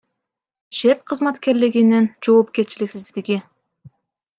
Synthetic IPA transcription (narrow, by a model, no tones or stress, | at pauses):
ʃep̚qʰɯzmat̪ke̞ɾliɡinind͡ʒo̞ːp̚kʲe̞ɾt͡ʃiliksizd̪d̪iɡi